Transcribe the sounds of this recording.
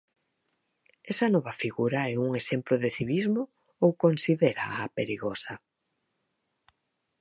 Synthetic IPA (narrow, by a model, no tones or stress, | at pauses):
ɛsɐnɔβɐfiɣuɾaɛuŋesemploðɪθiβizmo | owkonsiðeɾa̰apeɾiɣɔsɐ